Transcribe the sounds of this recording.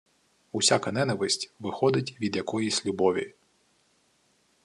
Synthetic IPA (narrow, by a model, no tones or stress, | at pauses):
usʲakɐn̪ɛnɐʋɪsʲtʲʋɪxɔd̪ɪtʲʋʲid̪jɐkɔjisʲlʲubɔʋʲḭ